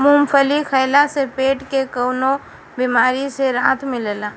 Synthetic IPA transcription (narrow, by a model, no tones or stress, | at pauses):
mumpʰəlikʰəjlasepeːʈkekəːno | bimaːɾiseɾaːt̪ʰmɪlla